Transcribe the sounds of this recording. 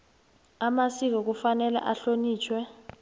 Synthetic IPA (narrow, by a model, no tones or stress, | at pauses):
amasik̬ɔk̬ufanɛla̰ʔaɬoniːt͡ʃʰwɛ